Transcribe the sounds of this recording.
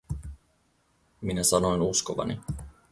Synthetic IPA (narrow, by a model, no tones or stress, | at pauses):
minæsɑno̞jnuskoʋɑ̰nḭ